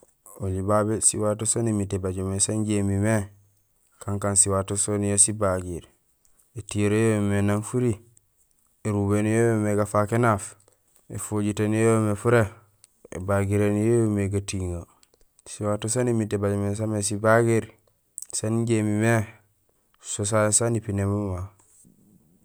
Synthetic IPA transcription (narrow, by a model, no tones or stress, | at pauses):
oɟibabesiwatosonimitebaɟomesanɟemime | kaŋkansiwatosonjosibaɡiɾ | etijɾojomenanfuɾi | eɾubenjojomeɡafakenaf | efoɟitenjomefuɾe | ḛbaɡiɾenjejomeɡatiŋa | siwatosanimitːebaɟmes̬amesibaɡiɾ | saniɲɟemime | sos̬ajsanipinemuma